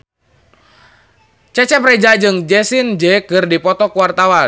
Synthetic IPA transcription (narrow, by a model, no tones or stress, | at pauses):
t͡ʃɛt͡ʃɛprɛd͡ʒad͡ʒɨŋd͡ʒɛsind͡ʒɛkɨrdipɔt̪ɔkuwart̪awa